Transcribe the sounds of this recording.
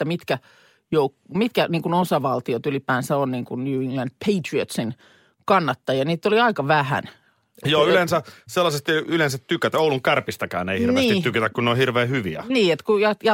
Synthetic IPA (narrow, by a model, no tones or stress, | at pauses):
t̪ːæmit̪kæ | joukmit̪kæniːŋkunosɑʋɑlt̪iot̪ylipæːnsæonniːŋkunnuːiŋɡlænd̥̪̚pʰeit̪riot̪sin | kɑnːɑt̪ːɑjɑniːt̪ːˑoliɑikɑʋæhæ̰n | joːylensæselːɑsest̪ylensæt̪tykæt̪ouluŋkærpist̪ækæ̰ːneihirʋneist̪ːitykæt̪ækkunnːeohirʋeːhyʋiæ̰niːet̪kujɑjɑ